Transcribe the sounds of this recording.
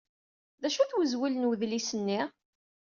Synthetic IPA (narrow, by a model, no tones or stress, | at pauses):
ðæʃuθwəzwilənwəðlisənːi